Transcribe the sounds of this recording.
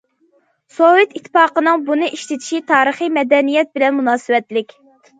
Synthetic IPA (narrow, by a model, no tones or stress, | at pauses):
sowet̪it̪ʰːpɑːqənɨŋbunɨʔiʃt̪ɪt̪ʰi̥ʃit̪ʰɑːɾəχijmɛd̪ɛnijɛt̪̚bɪlɛnmunɑːsɨwɛt̪lɪkʲ